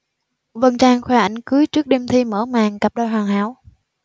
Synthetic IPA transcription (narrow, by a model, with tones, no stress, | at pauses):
və˨˩nt͡ɕaː˧˩ŋxwɛː˧˩ʔa˧˩jŋ̟kɨ˨˦jt͡ɕɨ˦˥ək̚ɗe˧mt̪ʰi˧məː˧˩maː˨˩ŋka˨˩p̚ɗɔː˧jɦwaː˨˩ŋhaː˧˩˦w